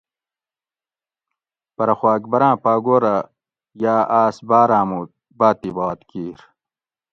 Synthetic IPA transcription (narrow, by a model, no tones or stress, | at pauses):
pɐɾɐxwaːkbɐɾãːpaːɡoːɾa | jaːaːsbaːɾãːmuː | baːt̪ibaːt̪kiːɾ